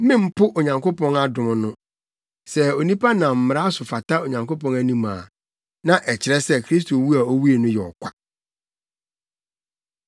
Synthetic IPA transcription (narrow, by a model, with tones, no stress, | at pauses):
mɪ̃˦m̩˦pʰʊ˦ʔo˨ɲã˨ŋko˦pʰɔ̃˦na˦dʊ̃˨m˦nʊ̃˦ | sɛ˦o˨nĩ˦pʰa˦nã˨m̩˨m˨ɾa˦a˦sʊ˨fa˨tʰa˦o˨ɲã˨ŋko˦pɔ̃˦næ˦nĩ˦mã̰ː˨ | nã˦ʔɛ˨t͡ɕʰɪ˨ɾɛ˦sɛ˦kʰɾi˦s̬tʰo˨wu˦a˨o˦wu˦e˨nʊ̃˦jɛ˨ɔ̰˨kʷʰa˨